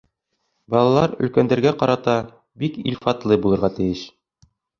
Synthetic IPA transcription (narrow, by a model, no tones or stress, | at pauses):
bɒlˠɑlˠɑɾɵ̆lkænd̪æɾɡæqɒɾɑt̪ɑ | bikḭlʲfɑt̪lˠɤbulˠɤ̆ɾʁɑt̪ɘ̆jɘʃ